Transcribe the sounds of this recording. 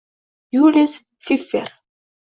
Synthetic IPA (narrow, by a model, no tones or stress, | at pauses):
julæs | fifːḭɾ